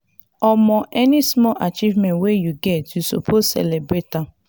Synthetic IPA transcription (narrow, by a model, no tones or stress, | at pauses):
ɔmɔ̃ʔɛnismɔlʔat͡ʃivmɛ̃nwejuɡɛtjuso̰pʰossɛ̰lebɹeta